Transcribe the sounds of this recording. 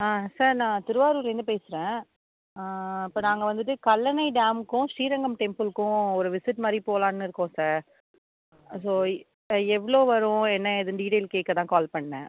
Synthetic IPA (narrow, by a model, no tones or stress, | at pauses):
aːsaːɾnãːt̪ɪɾɯʋaːɾulend̪ɯpeːsɪɾẽː | ɪpːoːnãːŋɡɐʋɐnd̪ɯʈːɯkɐlːɐnɐɪɖaːmkːʊ̃ʂiːɾɐŋɡɐmʈɛmpɯlkːʊ̃ɔɾɯʋɪsɪʈːmaːd̪ɾipoːlãːnːɪɾɯkːõsaːɾ | soː | ɛʋːɭoːʋɐɾʊ̃ɛnːɐɪðɯɖiːʈeːlkeːʈkːɐt̪ãːkaːlpɐɳːɛ̃